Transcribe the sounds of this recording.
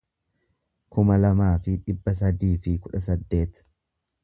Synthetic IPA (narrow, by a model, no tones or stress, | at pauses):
kʊmɐlɐmaːfɪᶑɪbːɐs̬ɐd̪iːfɪkʊᶑɐs̬ɐd̪ːe̞ːt̪